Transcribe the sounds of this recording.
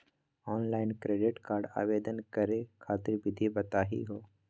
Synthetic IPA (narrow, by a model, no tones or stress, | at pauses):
ɔːnlaːɪnkɾeːɖɪʈkaːɾɖa̰ːʋeːd̪ənkɐɾekʰaːt̪ɪɾʋɪd̪ʱibɐt̪aːɦḭɦoː